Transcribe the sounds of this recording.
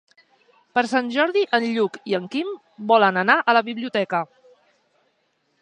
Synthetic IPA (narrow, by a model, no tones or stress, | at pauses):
pəɾsanʲʒɔɾðiʔənʎukiəŋkim | bɔlənənaʔələβiβliut̪ɛkə